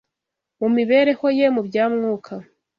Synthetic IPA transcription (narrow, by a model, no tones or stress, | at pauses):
mumiβe̞ːɾe̞ho̞je̞mubjaːmŋuːkʰa